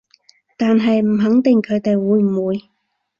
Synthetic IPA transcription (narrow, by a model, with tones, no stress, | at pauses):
t̪aː˨nɦɐ˨jm̩˨˩ɦɐ˨˥ŋt̪ɪ˨ŋkʰɵ˨˧ɥt̪e˨jwuː˨˧jmuː˨˧j